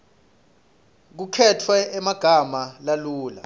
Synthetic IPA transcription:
k̬ukʰɛtʰwɛɛmaɡ̥ʱamalaluːla̰

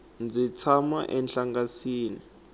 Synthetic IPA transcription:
nd͡zʱit͡sʰama̰ʔɛnɬaŋɡasiːni

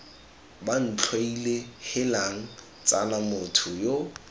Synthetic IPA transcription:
ban̩t͡ɬʰwailehɪlaŋ̩ | t͡sʼa̰namʊtʰʊjo

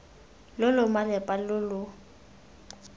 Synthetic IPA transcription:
lʊlʊmalɛpʼalʊlʊ

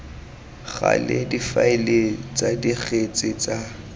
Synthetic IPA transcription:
ɣa̰ledifaɪlet͡sʼadiɣet͡sʼɪt͡sʼa

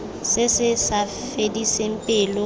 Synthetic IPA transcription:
sɪsɪsa | fedisɪm̩pʼɪːlʊ

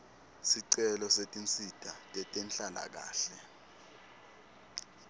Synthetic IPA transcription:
siǀɛlɔsetʼint͡sʼid̥ʱatʼɛtʼɛnɬʼala̰k̬a̰ːɬɛ

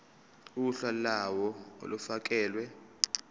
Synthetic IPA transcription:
uuɬalawɔo̰lufak̬ɛːlwɛ

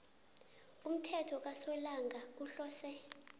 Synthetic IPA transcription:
um̩tʰɛtʰɔk̬asɔlaŋɡʱauɬɔːsɛ

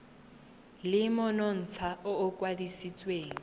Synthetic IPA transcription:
lɪmʊnɔn̩t͡sʰaʊːkʼwadisit͡sʼweːŋ̩

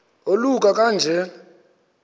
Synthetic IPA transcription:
olukʼakʼand͡ʒʱɛ

